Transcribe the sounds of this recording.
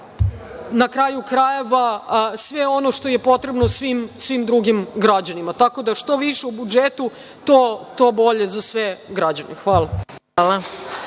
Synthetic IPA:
nakɾaːjukɾajeʋasʋeo̞no̞ʂt̪o̞je̞po̞t̪ɾebnosʋimsʋimd̪ɾuɡimɡɾad͡ʑanimat̪ako̞d̪aʂt̪o̞ʋiʃeubud͡ʒet̪u | t̪ot̪obo̞ʎe̞zasʋeɡɾad͡ʑanḛxʋaːlˠaala

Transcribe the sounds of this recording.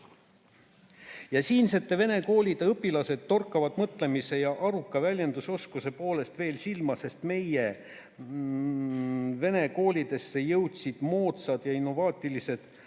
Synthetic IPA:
jɑsiːnse̞t̪ːˑe̞ve̞ne̞ko̞ːlʲid̪̥e̞ɤpːˑilɑse̞d̪̥ːo̞rkːˑɑvɑd̪̥mɤt̪ˑle̞mise̞jɑʔɑɾukːˑɑvælʲjend̪uso̞skuse̞po̞ːle̞st̪ve̞ːlsilmɑse̞st̪me̞je | ve̞ne̞ko̞ːlʲid̪e̞sːe̞jɤwt̪sid̪̥moːt̪sɑd̪̥jɑinːo̞vɑːt̪ːˑilise̞d̪̥

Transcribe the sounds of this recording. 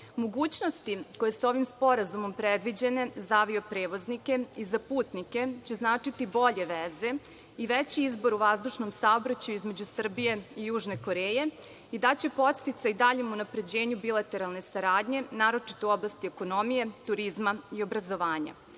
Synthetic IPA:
mo̞ɡuːt͡ɕnost̪iko̞je̞suo̞ʋimspo̞ɾazumo̞mpɾed̪ʋid͡ʑe̞ne̞zaʋiopɾe̞ːʋo̞znike̞izapuːt̪nike̞t͡ɕe̞znaːt͡ʂit̪ibo̞ʎe̞ʋeze̞ | iʋet͡ɕiizbo̞ɾuʋazd̪uʃnomsao̞bɾat͡ɕajuizme̞d͡ʑusr̩bije̞ijuːʒne̞ko̞ɾeːje̞ | id̪at͡ɕe̞po̞t̪st̪it̪said̪aʎemunapɾe̞d͡ʑe̞ːɲubilˠat̪e̞ɾalˠne̞saɾaːd̪ɲe̞naːɾo̞t͡ʂi̥t̪ouo̞blˠast̪ieko̞no̞mije̞t̪uɾizmaio̞bɾazo̞ʋaːɲa̰

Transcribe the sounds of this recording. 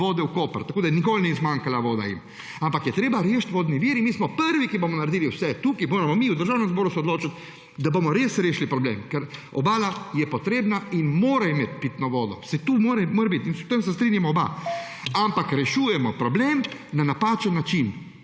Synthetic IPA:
oːd̪ɛwkoːpɾt̪akoːd̪ajnikoːlnɛzmaŋkalaʋoːd̪a̰jḭm | ampakjɛt̪ɾeːbaɾeːʃt̪ʋoːd̪niʋiːɾimiːsmɔpəɾʋikibomɔnaɾed̪iːliwsɛt̪uːkimoːɾamɔmiud̪əɾʒaːwnɛmzboːɾusɛod̪loːt͡ʃat̪ | d̪abomɔɾeːsɾeːʃlipɾɔblḛːmkɛɾɔ̰baːlajɛpɔt̪ɾeːbnainmoːɾaimet̪pit̪nɔʋoːd̪ɔ̰sɛt̪umoːɾɛmoɾɛbit̪insɛpt̪emsɛst̪ɾiːnjamɔːba̰ | ampakɾɛʃuːjɛmɔpɾɔbleːmnanapaːt͡ʃɛnːat͡ʃin

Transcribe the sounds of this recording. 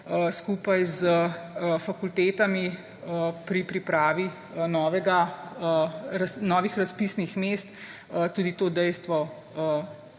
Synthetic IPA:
əskuːpajzəfakult̪eːt̪ami | əpɾipɾipɾaːʋi | nɔːʋɛɡa | ɾasnɔʋixɾaspiːsnixmest̪ | ət̪uːd̪it̪oːd̪ɛjst̪ʋɔ | ə

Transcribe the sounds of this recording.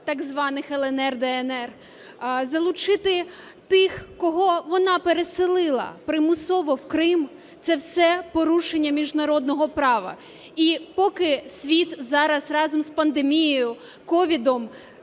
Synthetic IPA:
t̪ɑɡzʋɑnɪxɛlˠɛnɛrd̪ɛɛnɛr | zɐlˠʊt͡ʃɪt̪ɪ | t̪ɪxkɔɦɔʋɔnɑpeɾesɪlˠɪlˠɐ̰pɾɪmʊsɔʋɔwkɾɪm | t̪sɛwsɛpɔɾuʃenʲːɐmʲiʒnɐɾɔd̪̚nɔɦɔpɾɑʋɐ̰ | ipɔkɪsʲʋʲit̪zɑɾɐsrɑzɔmspɐnd̪emʲijijʊ | kɔʋʲid̪ɔm

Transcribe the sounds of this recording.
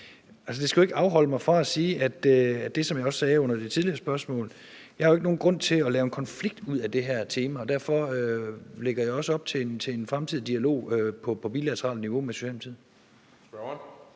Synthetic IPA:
æls̬əd̥e̝sɡ̥ue̝ɡ̥əɑ̈ʊɦɒ̽l̰əmɑ̈ɪfʁɑ̈æsiːæd̥øæ̥e̝sɒ̽mjɑ̈ɪɒ̽ssɛːɔ̽n̰ɐd̥e̝t͡sʰið̞ˠliɐsb̥ɶɐsmɔ̰̽ːl | jɑ̈hɑoe̝ɡ̥no̝ːn̩ɡ̥ʁɔ̽n̰t͡sʰe̝ɒlɛːʊe̝nkʰɒ̽nfliɡ̥̚d̥uð̰ˠæd̥e̝ɦæɐ̰t͡sʰe̝ːmæɒ̽d̥æɐ̰fɒ̽øleɡ̥ɐjɑ̈ɪɒ̽səɒ̽b̥t͡sʰe̝nt͡sʰe̝enfʁamt͡sʰið̰ˠd̥iælo̝̰ːøpʰɒ̽pʰɒ̽bḭlæt͡sʰɐʁɑ̰ldniʋo̝meso̥ɕɛlmt͡sʰið̰ˠ

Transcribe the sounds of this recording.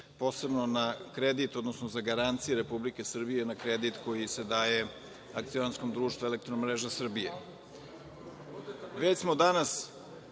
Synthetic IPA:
po̞ːse̞bno̞nakɾed̪it̪od̪nosnozaɡaɾant̪sijuɾe̞publike̞sr̩bijenakɾed̪it̪ko̞jise̞d̪aːje̞ | akt̪sionansko̞md̪ɾuːʃt̪vuelekt̪ɾonomɾeʒasr̩bijḛ | ʋet͡ɕsmo̞d̪anas

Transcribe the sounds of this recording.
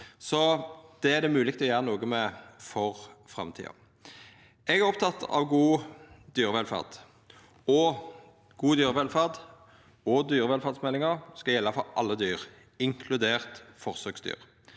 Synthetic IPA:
sɔd̪̥ɛæʁd̪ɛmʉːlɪkt̪ɔjæːʁənuːɡəmɛfɔʁfɾɑ̰mt̪ʰḭːɑ̰ | ɛɡæʁɔpt̪ʰɑt̪ʰːɑ̰ʋɡuːd̪yːʁəʋɛlfɑ̰ʁd̪̥ | ɔ | ɡ̥uːd̪yːʁəʋɛlfæʁd̪ | ɔd̪yːʁəʋɛlfɑʁd̪smɛlːɪŋɑʁskɑjɛlːɑfɔɾʔɑlːəd̪yːʁ | ɪŋkʰlʉd̪eːʁt̪fɔʁsøːɡsd̪y̰ːʁ

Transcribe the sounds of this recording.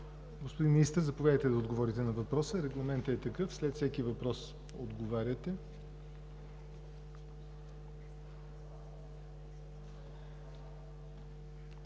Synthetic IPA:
ɡospod̪inmʲinist̪əɾzɐpovʲjad̪əjt̪ɛd̪ɐod̪ɡovɔɾit̪ɛnɐvɐpɾɔsəɾɛɡlˠɐmɛnt̪əɛt̪ɐkɤfslɛt̪fsɛkivɐpɾɔs | od̪ɡovaɾʲət̪ɛ

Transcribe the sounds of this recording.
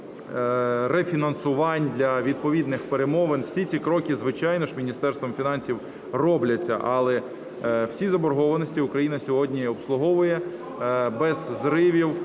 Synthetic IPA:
refʲinɐnsʊʋɑnʲd̪lʲɐʋʲid̪̚pɔʋʲid̪nɪxpeɾemɔʋenwsʲit͡sʲikɾɔkʲizʋɪt͡ʃɑjnɔʃmʲinʲist̪ɛrst̪ʋɔmfʲinɑnʲsʲiw | rɔblʲɐt͡sʲːɐ̰ʔɐlˠɛ | wsʲizɐbɔɾɦɔʋɐnɔsʲtʲiʊkɾɐjinɐsʲɔɦɔdʲnʲiɔpslˠʊɦɔʋʊjɛ | bɛzzɾɪʋʲiw

